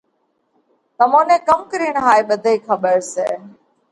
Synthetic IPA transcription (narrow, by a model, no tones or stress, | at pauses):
t̪əmõːnẽːkəmkəɾiːɳɦaːeːɓəd̪ʱəiːkʰəɓəɾsḛː